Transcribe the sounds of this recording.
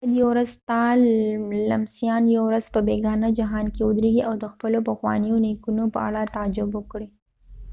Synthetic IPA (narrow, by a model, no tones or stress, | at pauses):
d̪jawɾazt̪ɑ | lamsijɑnjawɾaz̥pəbeɡɑnad͡ʒaɦɑnkeʊd̪ɾeɡiʔawd̪əxpəlopəxwɑ̰nijonekunopə̰a̰ɽat̪ad͡ʒʊbwəkɽi